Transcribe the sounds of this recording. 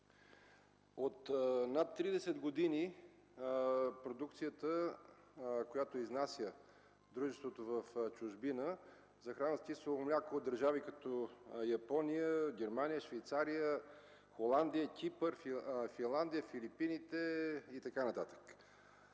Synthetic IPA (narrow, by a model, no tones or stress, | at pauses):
ot̪nat̪ːɾid̪ɛsɛd̪ɡod̪ini | pɾod̪ukt̪sijət̪ə | kojat̪oiznasʲjə | d̪ɾuʒɛst̪vot̪ovəft͡ʃʊʒbinə | zɐxɾanəst̪isəlˠmlʲakoːd̪əɾʒavikɐt̪ɔjɐpɔnijəɡʲɛɾmanijəʃvɛjt̪saɾijə | xolˠand̪ijəkʲipəɾffinlˠand̪ijəfilipinit̪ɛit̪ɐkanɐt̪at̪ə̥k